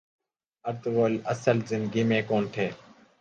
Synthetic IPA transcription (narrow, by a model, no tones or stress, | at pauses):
əɾt̪ʋoːləsəlzɪnd̪ɡiːmẽːkoːnʈ̪ʰeː